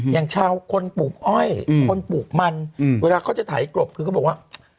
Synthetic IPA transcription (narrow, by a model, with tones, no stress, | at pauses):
jaː˨˩ŋt͡ɕʰaː˧˩wkʰo˧npuː˨˩k̚ʔɔ˧˥˩jkʰo˧npuː˨˩k̚ma˧n˨weː˧laː˧kʰa˥˩wt͡ɕa˨˩t̪ʰaː˨˩˦klo˨˩p̚kʰɯː˧˥˩bɔ˨˩kwa˥˩